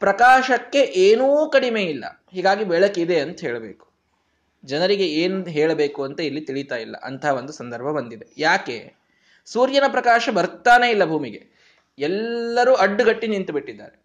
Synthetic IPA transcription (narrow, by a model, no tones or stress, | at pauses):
pɾɐkaːʃɐkːe̞ʔeːnuːkɐɽime̞ːilːɐ̰ | ɦiːɡaːɡibɛɭɐkid̪e̞ɐnt̪ɐɦɛːɭɐbeːku̥ | d͡ʒɐnɐɾiɡe̞eːnuɦɛːɭɐbe̞ːkuɐnt̪ɐilːit̪iɭit̪aːjilːɐ̰ʔɐ̰nt̪ʰaɦːʋo̞nd̪usɐnd̪ɐɾbʱɐbɐnd̪id̪e̞jaːkḛː | suːɾjɐnɐpɾɐkaːʃɐbɐɾt̪aːne̞ːilːɐbʱuːmiɡe̞̰ | ɛlːɐɾuːɐɖːuɡɐʈːinint̪ubiʈːid̪ːa̰ːɾe